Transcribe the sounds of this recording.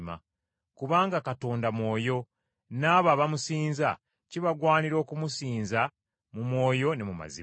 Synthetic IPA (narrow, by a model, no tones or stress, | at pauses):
ma̰ | kuβaːŋɡakato̞ːndamwo̞ːjo̞ | naːβaːβamusiːnza | ciβaɡwaːniɾo̞ːkumusiːnza | mumwo̞ːjo̞ne̞muma̰zḭ